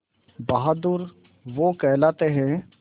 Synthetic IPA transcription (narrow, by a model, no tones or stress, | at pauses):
baɦd̪uɾ | ʋokɛːlaːt̪eɦɛ̃ː